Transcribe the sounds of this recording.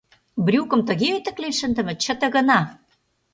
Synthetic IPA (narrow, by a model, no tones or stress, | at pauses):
brʲukə̆mt̪ə̆ɣeøt̪ə̆klenʃə̆nd̪ə̆mɘ̆t͡ɕə̆t̪ə̆ɣə̆nɑ